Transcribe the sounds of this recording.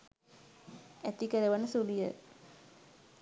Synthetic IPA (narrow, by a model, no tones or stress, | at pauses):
æt̪ikəɾəʋənəsulijə